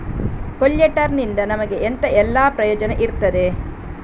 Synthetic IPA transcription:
koʎːɐʈɐɾnind̪ɐnɐmɐɡe̞ʔent̪ɐʔɛlːaːpɾɐjoːd͡ʒɐnɐʔiɾt̪ːɐd̪e̞

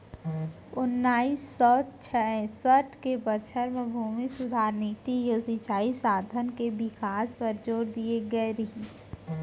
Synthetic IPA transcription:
ʊnːaːisːɔːt͡ʃʰɛɛ̃səʈʰkebət͡ʃʰəɾmẽbʱuːmisʊd̪ʱaːɾniːt̪ijosit͡ʃaːisaːd̪ʱənkebɪkaːspəɾd͡ʒoːɾd̪ieɡəeɾĩs

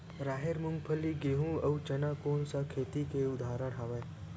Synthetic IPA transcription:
ɾaːɦeɾmʊŋɡpʰəlːiɡeːɦũɐut͡ʃɐnakoːnsakʰeːt̪ikeʊd̪ʱaːɾəɽ̃ɦaʋə

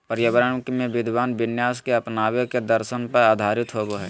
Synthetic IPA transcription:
pəɾjɐbɾəɳkmẽʋɪd̪ʱʋaːnʋɪnjaːskeɐpnaːweked̪əɾʃənpəɾaːd̪ʱaːɾɪt̪ɦoːɡoɦɛː

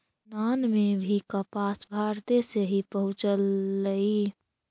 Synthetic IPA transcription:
nanmebʱikəpasbʱaɾt̪eseɦipəɦʊ̃t͡ʃəlːəi

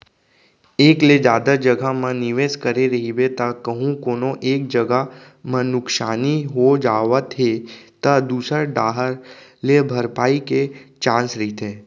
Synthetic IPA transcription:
eːkled͡ʒjaːd̪ad͡ʒɐɡamãnɪʋeːskɐɾeɾɐɦibet̪akəɦũkoːnõʔeːk̚d͡ʒɐɡa | mɐ̃nʊksaːniɦod͡ʒaːʋət̪ʰet̪ad̪uːsəɾɖaːɦəɾlebʱɐɾpaːiket͡ʃãːnsɾɐɦit̪ʰeː

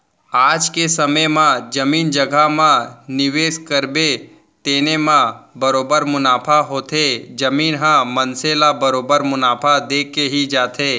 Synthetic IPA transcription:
aːd͡ʒkesɐməjmãd͡ʒɐmiːnd͡ʒəɡʱamãnɪʋeːskəɾbe | t̪eːnemãbəɾoːbəɾmʊnaːpʰaɦoːt̪ʰed͡ʒɐmiːnɦãmənselabəɾoːbəɾmʊnaːpʰad̪eːkeɦid͡ʒaːt̪ʰeː

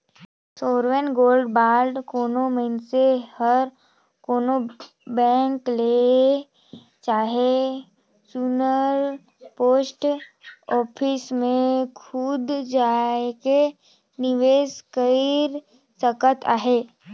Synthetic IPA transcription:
soːɾʋenɡoːlɖbaːɾɖkoːnomənsehəɾ | koːno | bɛ̃ːŋkle | t͡ʃaːɦe | sunəɾ | poːsʈ | ɔːpʰɪsmẽkʰʊd̪d͡ʒaːeke | nɪʋeːskəiɾ | səkət̪a̰ːɦeː

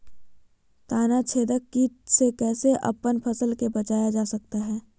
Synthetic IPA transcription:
t̪aːnat͡ʃʰeːd̪əkːiːʈ̚sekɛːseʔɐ̰pːənpʰəsəlkebət͡ʃaːjad͡ʒaːsək̚t̪aɦɛː

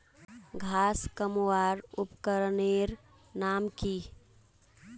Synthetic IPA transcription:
ɡʱaskəmuwaɾupkəɾneɾ | namki

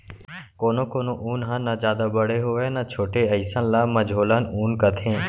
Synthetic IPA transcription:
koːnõːkoːnõʔuːnɦãnazjaːd̪abəɽeɦoːʋeːnat͡ʃʰoːʈeəɪsãlaməd͡ʒɦoːlanuːnkət̪ʰẽː

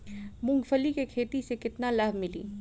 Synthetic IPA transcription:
mʊ̃ŋɡfʰəlikekʰeːt̪isekɪt̪nalaɦmɪlḭː

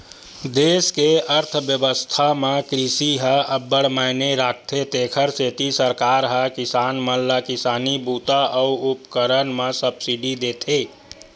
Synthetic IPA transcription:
d̪eːskeəɾt̪ʰbjəbəst̪ʰamẽkɾisiɦəəbːəɽmaɪneɾaːk̚ʰt̪ʰet̪eːkʰəɾset̪isəɾkaːɾɦəkisaːnməlːakisaːnibut̪aʔɔuupkəɾənmẽsəbsiɖid̪eːt̪ʰe

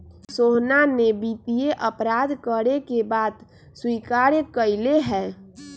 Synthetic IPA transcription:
soɦnanebit̪ijeʔəpɾad̪kəɾekebaːd̪ | swikaɾjkəɪleɦɛː

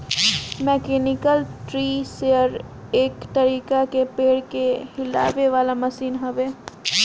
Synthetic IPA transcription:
mɛːkeːnɪkəlʈɾiːseːəɾ | eːkt̪ɐɾiːkakepeːɽkehɪla̰ːʋeʋaːlamɐsiːnɦɐʋeː

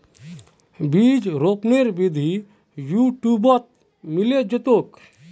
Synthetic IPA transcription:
bid͡ʒɾopneɾbid̪ʱi | juʈjubɔt̪̚ | miled͡ʒet̪ok

